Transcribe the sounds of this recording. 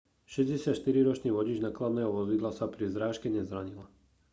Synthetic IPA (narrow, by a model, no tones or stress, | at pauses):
ʃɛzɟɛsɪat̪ʃt̪iɾiɾɔt͡ʃniːʋɔɟiːd͡ʒnaklad̪nɛːɦɔʋɔzid̪lasapɾizɾaːʃkɛɲɛzɾaɲila